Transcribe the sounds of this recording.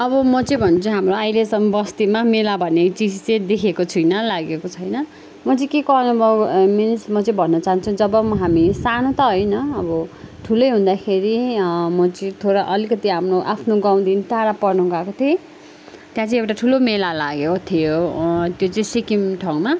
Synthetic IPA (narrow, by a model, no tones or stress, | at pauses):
ʌbʌmʌt͡sʌĩbʱʌnt͡sʰʌɦamroajlesʌmbʌst̪imamelabʱʌnet͡sid͡zt͡sẽj̃d̪ekʰekot͡sʰujnʌlaɡekot͡sʰʌjnʌ | mʌt͡sʌ̃kekʌnobʌmensmʌt͡sʌĩbʱʌnːʌt͡saɦant͡sʰud͡zʌbʌmʌɦamisanot̪ʌɦʌjnʌʌbʌʈʰulʌjɦũnd̪akʰeɾimʌt͡sʌĩt̪ʰoɾʌʔʌlikʌt̪iɦapʰnoʔapʰnoɡaw̃d̪int̪aɽapʌrnuɡakot̪ʰe | t̪jãt͡sʌĩewʈaʈʰulomelalaɡekot̪ʰijot̪jot͡sʌĩsikimʈʰʌw̃ma